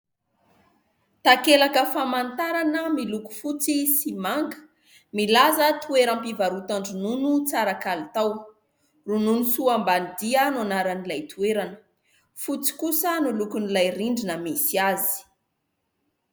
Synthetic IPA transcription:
t̪akelakəfamant̪aɾanəmiluku̥fut͡sisimaŋɡə̥ | milazət̪ueɾampivaɾut̪aɳɖ͡ʐununut͡saɾakalit̪aw | rununusuambanid̪iananaɾanilajt̪ueɾanə̥ | fut͡si̥kusənulukunilajriɳɖ͡ʐinəmesiazi̥

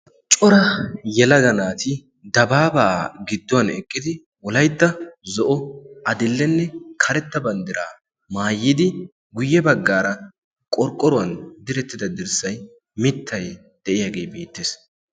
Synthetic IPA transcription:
t͡ʃʼɔɾɐjɛlɐd̪ɐnaːt̪ɪ | d̪ɐbaːbɐʔa̰ɡɪd̪ːɔwɐnɛkʼːɪd̪ɪ | wɔlɐjd̪ːɐzɔʔɔɐd̪ɪlːɛnːɛkʰɐɾɛt̪ːɐbɐnd̪ɪɾaː | maːjːɪd̪ɪ | ɡʊjːɛbɐɡːaːɾɐ | kʼɔɾkʼːɔɾɔwɐnd̪ɪɾɛt̪ːɪd̪ɐd̪ɪɾsɐj | mɪt̪ʰːɐj | d̪̥ɛʔɪjaːɡeːbe̞ːt̪ːes

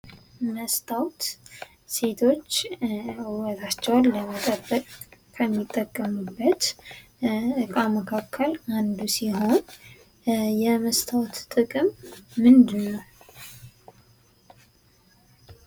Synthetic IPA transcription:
məst̪ʰawt̪ | se̞t̪ʰo̞t͡ʃːɨwət̪ʰat͡ʃːɛwalːəmət̪ʼəbːəkʼkʰəmːit̪ʼːəkʼːəmɨbːət̪ | ɨkʼaməkʰakʰːəland̪usiɦo̞n | jɛməst̪ʰawt̪t̪ʼɨkʼɨmːɨnd̪ɨnːəw

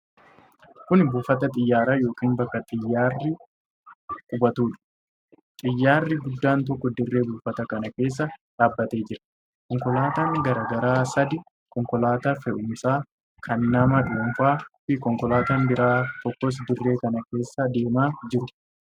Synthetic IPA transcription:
kʊnbuːfɐt̪ɐt̪ʼɪjːaːɾaːjo̞ːkiːnbɐkːɐt̪ʼɪjːaːrːɪ | kʼʊbɐt̪uːᶑɐ̥ | t̪ʼɪjːaːrːɪɡʊd̪ːaːnt̪ɔkːɔd̪ɪrːe̞ːbuːfɐt̪ɐkɐnɐke̞ːs̬ːɐᶑaːbːɐt̪e̞ːd͡ʒɪɾɐ̥ | kɔŋkɔlaːt̪aːŋɡɐɾaːɡɐɾaːsɐd̪ɪ | kɔŋkɔlaːt̪ɐfɛʔʊmsaː | kʰɐnːɐmɐᶑuːmfaːfɪkɔŋkɔlaːt̪aːnbɪɾaːt̪ɔkːɔs̬d̪ɪrːe̞ːkɐnɐke̞ːsːɐd̪e̞ːmaːd͡ʒɪɾʊ

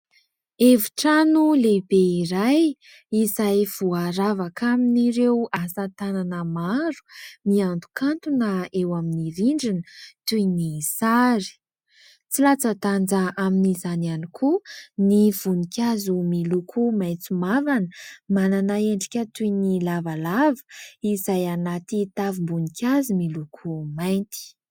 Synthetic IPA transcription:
evu̥ʈ͡ʂanulebeiɾaj | izajv̥uaɾavakʰaminiɾewasət̪ananəmaɾu̥miand̪u̥kʰant̪unaewaminiɾiɳɖ͡ʐinət̪unisaɾi̥ | t͡silat͡sət̪and͡zaʔaminizananikʰuniv̥unikʲazumilukʰumajt͡sumavanəmananaeɳɖ͡ʐi̥kʲət̪unilavalavə̥izajanat̪it̪avimbunikʲazumilukʰumajnt̪i̥

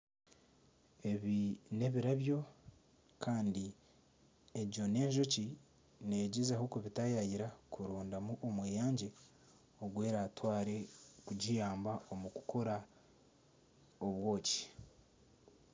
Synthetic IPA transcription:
e̞βine̞βiɾaβjo̞ | kʰaːndi | eɟo̞ne̞ːɲʒo̞ci | neɟizahukeβitajajiɾakuɾuːndamuʔomweːjaːɲɟe | oɡwe̞ːɾaːtwaːɾe̞kuɟijaːmbaomuku̥ko̞ɾa | oβwo̞ːci̥

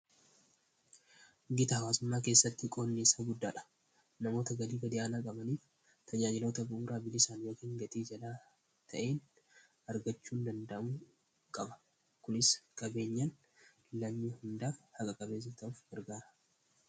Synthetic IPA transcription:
ɡɪt̪ɐhɐwaːsʊmːaːke̞ːsːɐt̪ːɪkʼo̞ːnːeːsaːɡʊd̪ːaːᶑɐ̥ | nɐmo̞ːt̪ɐɡɐliːbɐd̪ɪʔaːnaːkʼɐbɐniːf | t̪ʰɐd͡ʒaːd͡ʒɪlo̞ːt̪ɐbʊʔuːɾaːbɪlɪsaːnjo̞ːkiːŋɡɐt̪ʼiːd͡ʒɐlaː | t̪ʰɐʔe̞ːn | ɐɾɡɐt͡ʃːuːnd̪ɐnd̪ɐʔɐmu | kʼɐbɐ̥ | kʊnɪskʼɐbe̞ːɲːɐn | ɪlːaɲːuhɪnd̪aːhɐkʼɐkʼɐbe̞ːs̬ɐt̪ɐuːfɡɐɾɡaːɾɐ̥

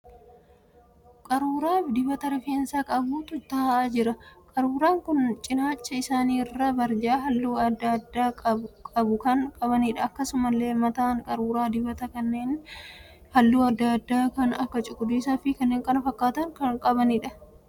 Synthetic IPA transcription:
kʼɐɾuːɾaːfd̪ɪbɐt̪ɐɾɛfeːnsaːkʼɐbuːt̪ʊt̪ɐhʔaːd͡ʒɪɾɐkʼɐɾuːɾaːŋkʊnt͡ʃʼɪnaːt͡ʃːɐɪsaːniːɪrːɐbɐɾd͡ʒaːɦɐlːuːɐd̪ːɐd̪ːaːɐkʼɐbʊkɐŋkʼɐβɐnɪᶑɐːkːɐsʊmɐlːe̞ːmɐt̪aːŋkʼɐɾuːɾaːd̪ɪbɐt̪ɐkɐnːeːn | hɐlːuːɐd̪ːɐd̪ːaːkɐnɐkːɐt͡ʃʼʊkʼːʊd̪uːsaːfiːkɐnːeːŋkʼɐnɐfɐkːaːt̪ɐŋkɐŋkʼɐbɐnɪᶑɐ

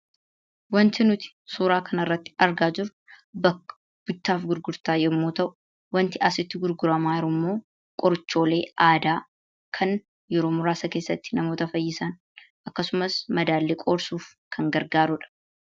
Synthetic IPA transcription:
wɐnt̪ɪnʊt̪ɪ̥suːɾaːkʰɐnɐrːɐt̪ːɪ̥ɐɾɡaːd͡ʒɪɾʊ | bɐkːɐ̥ | b̥ʊt͡ʃːaːfɡʊɾɡʊɾt̪aːjɛmːoːt̪ɐʔʊ̥ | wɐnt̪ɪɐsɪt̪ːɪɡʊɾɡʊɾɐmaːɪɾʊmːo̞ː | kʼɔɾt͡ʃːo̞ːle̞ːʔaːd̪aː | kʰɐn | jɛɾoːmʊɾaːsɐke̞ːsːɐt̪ːɪ̥nɐmoːt̪ɐfɐjːɪsɐn | ʔɐkːɐsʊmɐsmɐd̪aːlːekʼoːɾsuːf | kʰɐŋɡɐɾɡaːɾʊᶑɐ̥

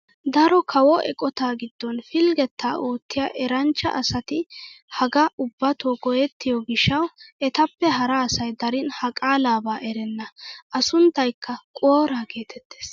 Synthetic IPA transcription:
d̪ɐɾɔkʰɐwɔɛ̰kʼɔt̪aːɡɪd̪̥ːɔnfɪlɡɛt̪ʰːaːʔo̞ːt̪ːɪjaʔɛɾɐnt͡ʃːɐ̰ʔɐsɐt̪ɪ | hɐɡɐʔʊbːɐt̪oːɡɔjɛt̪ːɪjɔɡɪʃːɐwʔɛt̪ɐpːɛɦɐɾaːsɐjd̪ɐɾɪnhɐkʼaːlaːbaːʔɛɾɛnːɐʔɐsʊnt̪ːɐjkːɐkʼoːɾaːke̞ːt̪ɛt̪ːeːs

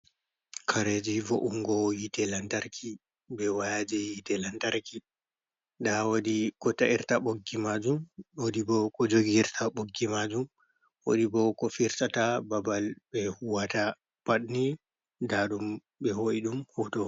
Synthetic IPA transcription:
kʰaɾed͡ʒivoʔuŋɡɔjitɛlantaɾkʰi | bɛwajad͡ʒɛjitɛlantaɾki | ɗawodikɔtaʔiɾtaɓoɡːimad͡ʒumwodibɔkɔd͡ʒoɡɾtʰaɓoɡːimad͡ʒum | wo̰ɗibɔkɔfiɾsatababalbɛhuwata | paɗni | daɗum | bɛhoʔiɗumhutɔ

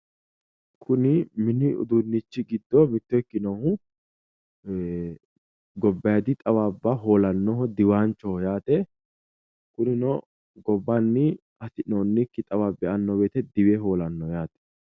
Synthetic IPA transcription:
kʰʊnɪmɪnɪʊ̰d̪ʊnːɪt͡ʃːɪɡɪd̪ːɔmɪt̪ːɔjkːɪnɔhʊ | ɡɔbːɐjɐd̪ɪt̪ʼɐwaːbːaɦoːlɐnːɔɦɔd̪ɪwaːnt͡ʃːɔjaːt̪ɛ | kʊnɪnɔ | ɡɔbːanːɪ | ɐt̪ɪnoːnːɪkːɪt̪ʼɐwaːbɛʔɐnːɔbeːt̪ɛd̪ɪwɛɦoːlɐnːɔjaːt̪ɛ̥

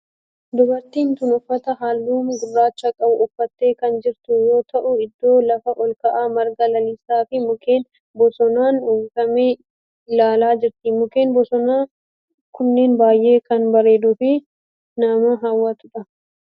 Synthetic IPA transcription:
d̪ʊbɐɾt̪iːnt̪ʊnɔfːɐt̪ɐɦaːlːuːmɡʊrːaːt͡ʃːɐkʼɐʔʊʔʊfːɐt̪ːe̞ːkɐnd͡ʒɪɾt̪ʊjo̞ːt̪ɐʔʊɪd̪ːo̞ːlɐfɐʔɔlkɐʔaːmɐɾɡɐlɐlisaːfɪmʊke̞ːn | bɔsɔnaːnujfɐmeː | ɪlaːlaːd͡ʒɪɾt̪ɪmʊke̞ːnbɔsɔnaː | kʊnːeːnbaːjʔe̞ːkɐnbɐɾe̞ːd̪ʊfɪ | nɐmɐɦawːaːt̪ʊᶑɐ

